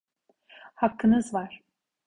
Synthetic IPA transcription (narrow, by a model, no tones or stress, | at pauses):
hakʰːɯnɯzvaɾ̥